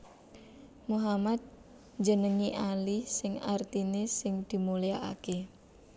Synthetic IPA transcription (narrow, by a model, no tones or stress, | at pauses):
muɦamad̪̚ | ɲd͡ʒənəŋiʔalisɪŋart̪inesɪŋd̪̥i̤mulijaʔa̰ke